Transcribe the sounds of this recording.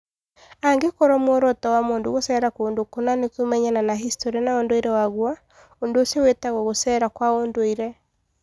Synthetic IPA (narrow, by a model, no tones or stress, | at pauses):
aŋɡekɔɾɔmwɔɾɔtɛwamoːndoɣosɛːɾakoondokonanekumɛɲananaɦistɔɾianaondoiɾɛwaɣwa | ondoosiɔwetaɣwɔɣosɛɾakwaondoiɾɛ